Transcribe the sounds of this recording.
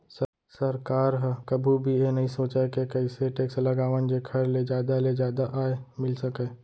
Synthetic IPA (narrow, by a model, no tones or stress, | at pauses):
sə | sɐɾkaːɾɦkɐbʱubʱijenɐɦĩsoːt͡ʃaekekəiseʈeːkslɐɡaːʋənd͡ʒekʰɐɾled͡ʒaːd̪aled͡ʒjaːd̪aʔaːemɪlsəkeː